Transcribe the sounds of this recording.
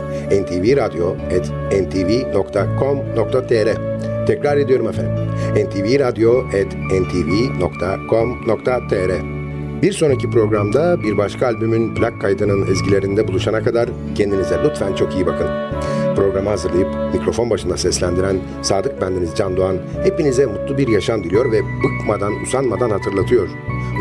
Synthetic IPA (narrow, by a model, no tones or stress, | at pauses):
ɛnt̪ʰiːviɾad̪ijo̞ | ɛt̪ʰ | ɛnt̪ʰivino̞kt̪ʰakʰo̞mno̞kt̪ʰat̪ʰeɾɛt̪ʰɛcɾaɾe̞d̪ijo̞ɾumefenimɛnt̪ʰiːviɾad̪ijo̞ɛt̪ | ɛnt̪ʰiːvino̞kt̪ʰakʰo̞mno̞kt̪ʰat̪ʰeɾɛ | biɾso̞nacipɾo̞ɡɾamd̪abiɾbaʃkʰaːlʲbymynplʲakʰːajd̪ɯnɯnizɟilʲe̞ɾind̪ɛbulˠuʃanakʰad̪aɾ | cʰend̪inizɛlut̪fænt͡ʃʰo̞kijibakʰɯnɯpɾo̞ɡɾamɯɦazɯɾlˠajɯpmikɾo̞fo̞nbaʃɯnd̪asɛslʲænd̪iɾæn | saːd̪ɯk̚bænd̪inizd͡ʒand̪oan | he̞pinizɛmut̪lˠubiɾjaʃamd̪ilʲijo̞ɾvɛbukmad̪anṵzanmad̪anhat̪ʰɯɾlˠat̪ʰɯjo̞ɾ